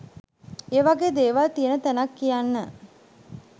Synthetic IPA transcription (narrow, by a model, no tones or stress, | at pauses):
eːʋaɡeːd̪eːʋalt̪ijənət̪ænakːijanːə